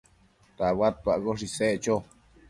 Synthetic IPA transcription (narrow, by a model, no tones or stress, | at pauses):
t̪awat̪̚paʔɣoʂ̬iseʔt͡ʃo